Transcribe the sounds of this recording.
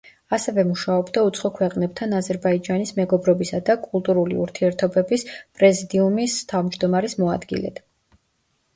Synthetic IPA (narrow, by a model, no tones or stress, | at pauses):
asɛvɛmuʃaɔbd̪aut̪sʰχɔkʰwɛqʼnɛb̚t̪ʰanazɛɾbaid͡ʒanismɛɡɔbɾɔbisad̪akʼulˠt̪ʼuɾulḭṵɾt̪ʰiɛɾt̪ʰɔbɛbispʼɾɛzid̪iumist̪ʰavmd͡ʒd̪ɔmaɾismɔad̪ɡḭlɛ̰t̪